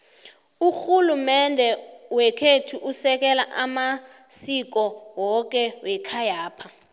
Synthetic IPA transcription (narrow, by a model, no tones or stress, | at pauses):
uxulumɛndʱɛwɛkʰetʰuʔusɛk̬ɛlaʔamasik̬ɔwɔk̬ʼɛwɛkʰajaːpʰa